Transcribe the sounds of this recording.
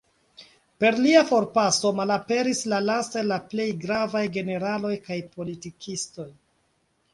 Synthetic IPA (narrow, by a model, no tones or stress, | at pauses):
pe̞ɾliafo̞ɾpaso̞malape̞ɾislalastalaple̞jɡɾavajɡe̞ne̞ɾalo̞jkajpo̞litikʰisto̞j